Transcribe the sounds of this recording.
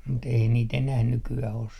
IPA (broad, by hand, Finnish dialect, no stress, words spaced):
mut ei niːt enæh nykyæh os